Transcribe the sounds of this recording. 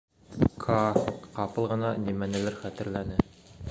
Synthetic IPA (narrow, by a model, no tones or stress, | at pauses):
kʰɑqɑpɤlˠʁɤ̆nɑnimænæ̆lɘɾχæt̪ɘ̆ɾlænɘ